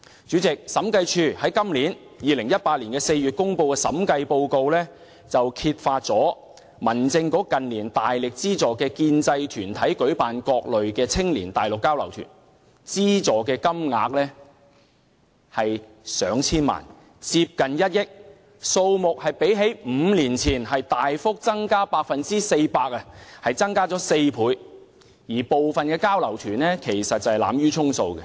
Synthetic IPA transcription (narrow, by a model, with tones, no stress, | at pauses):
t͡ʃyː˨˥t͡sɪ˨k̚sɐ˨˥mkɐ˧jt͡ʃʰyː˧hɐ˨˥jkɐ˥mliː˨˥n | jiː˨˧lɪ˨˩ŋjɐ˥t̚paː˧t̚liː˨˩nkɛː˧se˧jyː˨t̚kʊ˥ŋpo˧wkɛː˧sɐ̰˨˥mkɐ˧jpo˧wko˧wlɛː˥ | t͡sɐ˨wkʰiː˧t̚faː˧t̚t͡sɔː˨˥ | mɐ˨˩nt͡sɪ˧ŋkɔː˨˥kɐ˨nliː˨˩nt̪aː˨jlɪ˨k̚t͡siː˥t͡sɔː˨˩kɛː˧kiː˧nt͡sɐ˧jt̪ʰyː˨˩nt̪ʰɐ˨˥jkɵ˨˥ɥpaː˨nkɔː˧k̚lɵ˨ɥkɛː˧t͡sʰɪ˥ŋliː˨˩nt̪aː˨jlʊ˨kːaː˥wlɐ̰˨˩wt̪ʰy̰ː˨˩n | t͡siː˥t͡sɔː˨kɛː˧kɐ˥mŋa̰ː˧k̚lɛː˥ | hɐ˨j | sœː˨˧ŋt͡sʰiː˥nma̰ː˨˩n | t͡siː˧p̚kɐ˨njɐ˥t̚jɪ˥k̚ | so˧wmʊ˨k̚hɐ˨jpe˨˥jɦe˨˥jm̩ː˨˧liː˨˩nt͡sʰiː˨˩nɦɐ˨jt̪aː˨jfʊ˥k̚t͡sɐ˥ŋkaː˥paː˧k̚fɐ˨nt͡siː˥se˧jpaː˧k̚ɐ˧hɐ˨jt͡sɐ˥ŋkaː˥t͡sɔː˨˥se˧jpʰuː˨˥j | jiː˨˩po˨wfɐ˨nkɛː˧kaː˥wlɐ˨˩wt̪ʰyː˨˩nlɛː˥kʰe˨˩jsɐ˨t̚t͡sɐ˨hɐ˨jla̰ː˨˧˥mjyː˥t͡sʰʊ˥ŋso˧wkɛ˧